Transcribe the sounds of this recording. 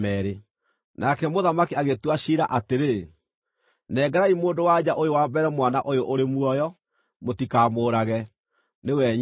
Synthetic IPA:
ɛɾe | nakɛmoðamakiaɣetwaɕiɾaʔateɾe | nɛɡaɾaimoːndowad͡ʒaʔojowambɛɾɛmwanaʔojoʔoɾemuɔjɔ | motikaːmoːɾaɣɛ | newɛɲ

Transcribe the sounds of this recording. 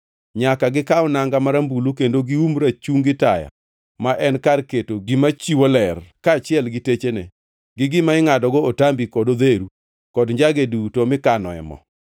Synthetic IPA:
ɲakaɡɪkaɔnaŋɡamaɾambulukendoɡiumɾat͡ʃuŋɡɪtaja̰ | maʔɛnkarketoɪmat͡ʃiwolɛrkaːt͡ʃɪɛlɡɪtet͡ʃenɛ | ɡɪɡɪmaɪŋadɔɡɔotambikɔdod̪eɾu | kɔdɲd͡ʒaɡedutomɪkanɔ̰ɛ̰mɔ̰

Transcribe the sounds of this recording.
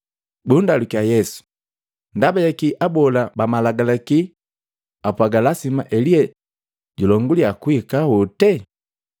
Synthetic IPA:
bundalukiajɛsu̥ | ndabajakiʔabɔlabamalaɡalaki | apwaɡalasima̰ʔɛliɛ | ɟulɔŋɡuliakuikahɔtɛ

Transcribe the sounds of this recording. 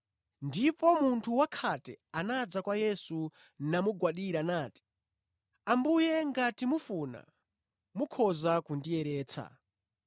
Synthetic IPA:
ndipɔmuntʰuwakʰatɛanad͡zakwajɛsu | namuɡwaɗiɾanaːti̥ | ambujɛŋɡatimufuna̰ | mukʰɔzakundijɛɾɛːt͡sʰa̰

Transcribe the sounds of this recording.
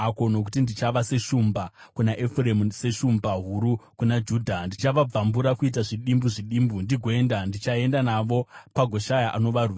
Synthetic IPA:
ako̞no̞k̬u̥tindit͡ʃaʋase̞ʂumbakunaʔefremse̞ʂumbaɦuɾukunad͡ʒuːdʱandit͡ʃaʋab͡vambuɾakuit̬aʐiɗimbuʐiɗiːmbundiɡʱoe̞ndandit͡ʃae̞ndanaʋo̞paɡʱo̞ʃajaʔano̞ʋaruʋa

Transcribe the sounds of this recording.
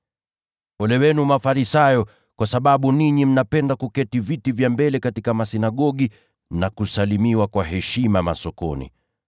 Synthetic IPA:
ɔlɛwɛnumafaɾisajɔ | kwasaɓaɓuniɲim̩napɛndakukɛtivitivjambɛlɛkatikamasinaɠɔɠi | nakusalimiwakwaɦɛʃimama̰sɔkɔ̰nḭ

